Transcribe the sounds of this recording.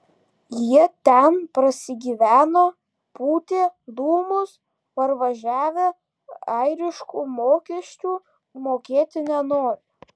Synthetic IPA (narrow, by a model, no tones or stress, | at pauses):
jiɛt̪ʲɛnpɾɐsʲɪɡʲiːʋʲæːnoː | puːt̪ʲeːd̪uːmʊs | pɐɾʋɐʒʲæːʋʲɛ | ɐɪɾʲɪʃkuːmoːkʲɛʃʲt͡ʃʲuː | moːkʲeːt̪ʲɪnʲɛnoːɾʲ